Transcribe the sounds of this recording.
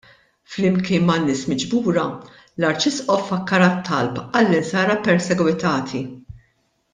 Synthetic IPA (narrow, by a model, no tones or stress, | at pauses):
flɪmkɪːnmɐnːɪːsmɪd͡ʒbuːɾɐ | lɐɾt͡ʃɪsʔɔfɐkːɐɾɐt̪ːɐlpɐlːɪnsɐːɾɐpɛɾsɛɡwɪt̪ɐːt̪ʰi